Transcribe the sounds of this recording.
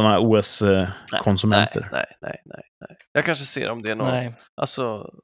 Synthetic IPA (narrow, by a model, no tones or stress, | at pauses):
ɔnɾuːɛskʰɔnsɵmɛntʰə̰ɾnɛ̰jnɛ̰nɛ̰j̪ɛjjɑːɡ̚kʰanʂ̬əsḛːɾɔmd̪ɛæɳɔ | ʔa̰lsɔ